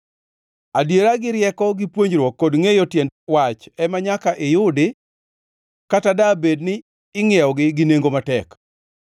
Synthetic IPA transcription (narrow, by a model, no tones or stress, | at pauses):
adjeɾaɡɪɾjɛkɔɡɪpwoɲd͡ʒɾwɔkːodŋejotjɛndwat͡ʃɛmaɲakaʔɪjʊdɪ | katadabednɪː | ŋjɛɔɡɪɡɪneŋɡomatɛk